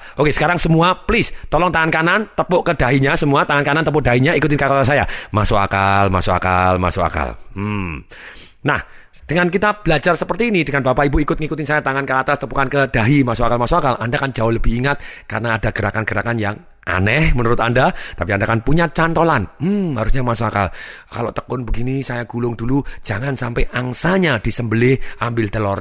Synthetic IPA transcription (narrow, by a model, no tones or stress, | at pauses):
ʔokesə̥kaɾaŋsəmuaplɪst̪ɔlɔŋt̪aŋankanant̪əpʊʔkədaɦiɲasəmuat̪aŋankanant̪əp̬ʊd̥aɦiɲaikut̪ɪnkakɔt̪as̬ajamasoa̰kalma̰soa̰ka̰lma̰sʊa̰ka̰lm̩ | nah | d̥əŋankit̪ab̥əlad͡ʒarsəpərt̪iːnid̥əŋanbapaibuikʊt̪̚ŋikut̪ɪnsajat̪aŋankəat̪ast̪əpukankəd̥aɦimasoakalmasoakalʔandakand͡ʒaʊhləbɪhiŋat̪̚kaɾənaːdaɡ̥əɾakanɡ̥əɾakanjaŋ | ʔa̰nɛhmənuɾʊt̪andat̪apiandakanpuɲat͡ʃant̪olanm̩ɦaɾusɲamasoaka̰lka̰loʔt̪ə̥kʊnbəɡinisajaɡ̥ulʊŋdulu̥d͡ʒ̥aŋansampɛʔaŋsaɲad̥isəmbəlɪhʔambɪlt̪əlɔr